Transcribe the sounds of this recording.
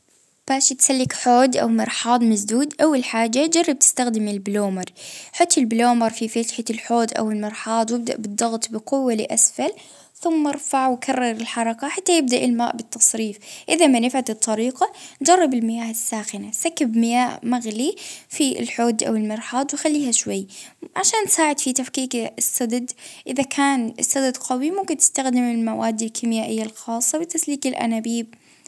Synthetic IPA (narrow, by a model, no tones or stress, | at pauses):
b̥aːʃt̪salːɪkħoːd̪ʔa̰wmɪɾˤħɑːd̪ˤmasd̪uːd̪ʔawːalħaːd͡ʒːad͡ʒɑrˤːɑb̚t̪ɪ̥st̪axd̪ɪmɪlbloːmɑɾˤħʊt̪ːɪlbloːmɑɾˤfifat̪ħalħoːd̪ʔa̰wɪlmɪɾˤħɑːd̪ˤwjɪb̚d̪a̰ʔbɨd̪ˤːɑɣt̪ˤbɪqʊwːalɪʔasfal | θʊmːɑɾˤfaʕwkʰarˤːɑɾˤɪlħɑɾˤɑkaħat̪ːajɪb̚d̪aʔɪlmaːʔbɪt̪ːɑsˤɾiːfʔɪðamanɪfʕat̪ɨt̪ˤːɑɾiːqɑnd͡ʒɑrˤːɑbɪlmɪjaːhɪsːaːxɪnasakːabmɪjaːhmaɣlifḭlħoːd̪ʔa̰wɪlmɪɾħɑːt̪ˤwɪxalːiːhaʃwajːʕaʃaːnsaːʕɪd̪fit̪afkiːkɪsːad̪ad̪ʔɪðakʰaːnɪ̰sːad̪ad̪qɑwimʊmkɪnt̪ɪ̥st̪axd̪ɪmɪlmawaːd̪ːɪlkʰɪmjaːʔɪjːalxɑːsˤːɑwɪt̪ːasliːkɪlʔa̰naːbiːb̚